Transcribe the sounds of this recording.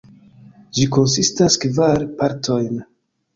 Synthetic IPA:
d͡ʒiko̞nsistaskvaɾpaɾtʰo̞jn

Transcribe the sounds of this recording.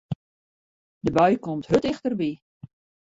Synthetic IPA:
dəbœɥkɔmthøtɪxtərbi

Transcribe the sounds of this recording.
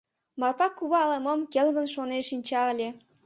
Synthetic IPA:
mɑrpɑkːuβɑləmə̆mkelɣə̆nʃoneʃinʲt͡ɕɑəlʲe

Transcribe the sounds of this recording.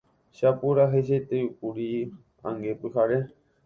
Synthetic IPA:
ʃapuɾaɦeʃet̪euk̚uɾi | ã̰ŋɡepɨɦaɾe

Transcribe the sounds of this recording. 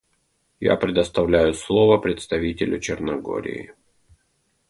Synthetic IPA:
ja̰pɾʲɪd̪əst̪ɐvlʲæjʊslˠo̞vəpɾʲɪt̪st̪ɐvʲitʲɪlʲʊt͡ɕɪrnɐɡo̰ɾʲɪ̰ɪ

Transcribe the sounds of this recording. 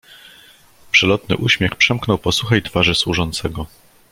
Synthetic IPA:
pʂɛlɔt̪nɘ̰ʔuɕmʲjɛxpʂɛmknɔwpɔsuxɛjt̪faʐɘswuʐɔnt̪sɛɡɔ

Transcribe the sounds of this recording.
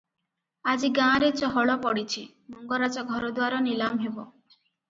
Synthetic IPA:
ad͡ʒiɡãɾet͡ʃɔɦɔɭɔpɔɽit͡ʃʰi | muŋɡɔɾad͡ʒɔɡʱɔɾɔd̪waɾɔnilamɦebɔ

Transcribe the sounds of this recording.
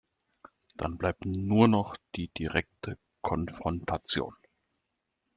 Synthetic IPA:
d̥anblaɪp̚tnuːɐnɔχd̥iːd̥iʁɛk̚tʰə | kʰɔnfʁ̥ɔntʰat͡sjo̰ːn

